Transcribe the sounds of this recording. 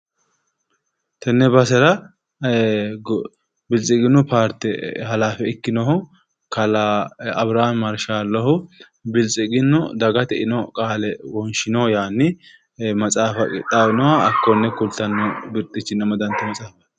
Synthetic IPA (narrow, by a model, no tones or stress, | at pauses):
t̪ɛnːɛbɐsɛɾɐ | bɪlt͡sʼɪɡɪnːʊpaːɾt̪ːɪhɐlaːfɛɪkːɪnɔhʊ | kʰɐlaɐbɾammɐɾʃaːlːɔhʊ | bɪlt͡sʼɪɡɪnːʊd̪ɐɡɐt̪ɛʔɪnɔkʼaːlɛwɔnʃɪnɔjaːnːɪ | mɐt͡sʼaːfɐkɪt̪ʼːaːwɪnɔwaɐkːɔnːɛkʊlt̪ɐnːɔbɪɾt̪ʼːɪt͡ʃːɪnːɐmɐd̪ɐnt̪ɐmɐt͡sʼaːfɐ